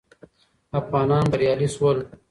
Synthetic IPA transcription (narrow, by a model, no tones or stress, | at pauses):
ɐfɣɑːnɑːnbɐɾjɑːliswɐl